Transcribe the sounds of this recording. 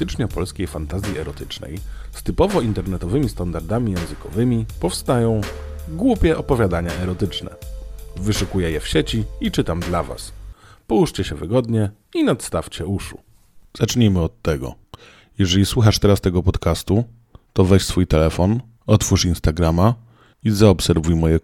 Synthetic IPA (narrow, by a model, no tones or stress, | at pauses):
t̪ɘt͡ʂɲɔpɔlskʲejfant̪azʲjiɛɾɔt̪ɘt͡ʂnɛ̰j | st̪ɘpɔvɔint̪ɛɾnɛt̪ɔvɘmʲist̪and̪aɾd̪amʲijɛ̃w̃zɘkɔvɘmʲipɔfst̪ajɔ̃w̃ɡwupʲjɛʔɔpɔvʲjad̪aɲaʔɛɾɔt̪ɘt͡ʂnɛ̰vɘʂukujɛjɛfɕɛt͡ɕiit͡ʂɘt̪amd̪lava̰spɔwuʂt͡ɕɛɕɛvɘɡɔd̪ɲɛ | inat̪st̪aft͡ɕɛuʂṵ | z̥at͡ʂɲemɘɔt̪ːɛɡɔ̰ | jɛʐɛlʲiswuxaʂt̪ɛɾast̪ɛɡɔpɔt̪kast̪u | t̪ɔvɛɕsfujt̪ɛlɛfɔn | ɔt̪fuʂinst̪aɡɾama | izaɔpsɛɾvujmɔjɛ